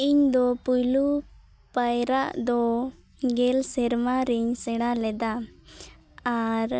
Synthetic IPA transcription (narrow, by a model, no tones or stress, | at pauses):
iɲd̪ɔpujlu | pajɾaʔd̪ɔ | ɡɛlsɛɾmaɾiɲsɛɽ̃alɛd̪a | aɾ